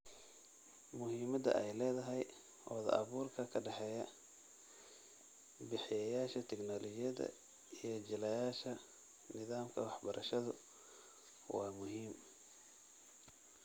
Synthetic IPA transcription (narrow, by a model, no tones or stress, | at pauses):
mʊɦiːmɐd̪ɐ̰ʔɛjlɛːðɐɦɛj | ɔːðɐ̰ʔɐβuːrkʰɐkʰɐɖɑħɛːjɐ | bɪħɪjɐjaːʃɐt̪ʰɛɡnɔːlɔt͡ʃɪjɐðɐ̰ | ijɞd͡ʒɪlɐjaːʃɐ | nɪðaːmkʰɐwɑħbɐɾʔɐʃɐðʊ | wɑːmʊɦiːm